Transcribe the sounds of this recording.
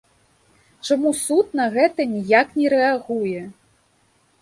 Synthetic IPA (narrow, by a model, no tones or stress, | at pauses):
t͡ʂamusut̪̚nɐɣɛt̪ɐnʲijaknʲɛɾɛaɣujɛ